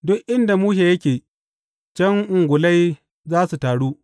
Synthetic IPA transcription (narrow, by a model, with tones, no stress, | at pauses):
dʊ˦kʔɪ˦nda˨muː˦ʃ̬e˨jɐ˦kʲeː˨ | t͡ʃɛ˦ŋʔʊ˨ŋɡʷʊ˨la˦j | zaː˦su˨taː˨ɽuː˦